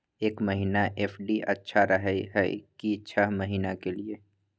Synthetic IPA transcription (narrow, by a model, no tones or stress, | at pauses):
eːkmɐɦiːnaʔeːfɖiʔɐtːʃʰaɾɐɦəɦɛḭkiːʃʰaɦmɐɦiːnakelieː